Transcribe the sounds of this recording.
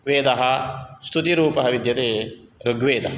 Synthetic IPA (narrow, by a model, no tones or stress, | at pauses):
ʋeːd̪ɐɦɐst̪ʰut̪iɾuːpɐɦɐʋid̪jɐt̪eːɾoɡʋeːd̪ɐɦɐ